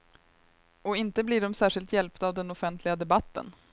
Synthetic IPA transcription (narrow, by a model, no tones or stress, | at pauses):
ɔɪnt̪əbliɖɔmsæːʂɪlt̪jɛlpt̪aːvd̪ɛnɔfɛnt̪ʰlɪɡad̪ɛbat̪ːə̰n